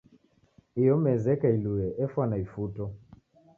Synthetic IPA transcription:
ijɔmɛzɛkailuɛʔɛfwanaifutɔ

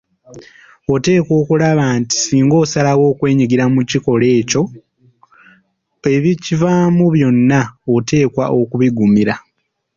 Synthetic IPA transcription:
ote̞ːkwo̞ːkulaβaːnti̥siːŋɡo̞ːsalawo̞ːkwe̞ːɲiɡiɾamuciko̞le̞ːco̞ | e̞βicivaːmuβjo̞nːaote̞ːkwaʔo̞kuβiɡumiɾa

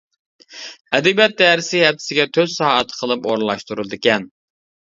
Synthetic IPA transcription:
ɛd̪ibɛt̪̚d̪ɛɾɪsɪhɛt̪ʰːɪ̥sɪɡʲɛt̪ʰøzsɑːɦɛt̪ʰːqʰəlˠɨpo̰ɾn̩lˠɑʃt̪uɾulˠɨd̪ɪkʲɛn

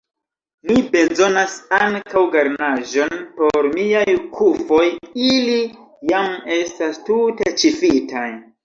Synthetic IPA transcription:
mibe̞zo̞nasaŋkawɡaɾnaʒo̞npo̞ɾmiajkʰufo̞jili | jame̞stastutet͡ʃifitʰaj

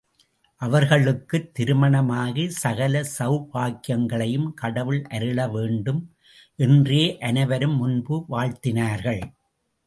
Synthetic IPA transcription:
ʔɐʋɐɾɣɐɭɯkːɯt̪ːɪɾɯmɐɳɐmaːɣisɐɣɐlɐsɐʊpaːkɪjɐŋɡɐɭɐjɯmkɐɽɐʋɯɭʔɐɾɯɭɐʋeːɳɖɯm | ʔɛndreːʔɐnɐɪʋɐɾɯmːʊnbɯʋaːɻt̪ɪnaːɾɣɐɭ

